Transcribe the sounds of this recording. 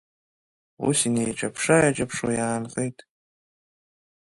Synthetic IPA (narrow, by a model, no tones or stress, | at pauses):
ṵsinejt͡ʃʷʰʼɐpʰʂajat͡ʃʼɐpʰʂo̰jaːnqejtʰʼ